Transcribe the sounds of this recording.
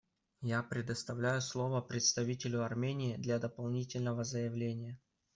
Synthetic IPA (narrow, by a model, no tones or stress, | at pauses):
japɾʲɪd̪əst̪ɐvlʲæjʊslˠo̞vəpɾʲɪt̪st̪ɐvʲitʲɪlʲʊɐrmʲenʲɪːɪd̪lʲad̪əpɐlˠnʲitʲɪlʲnəvəzəjɪvlʲenʲɪjə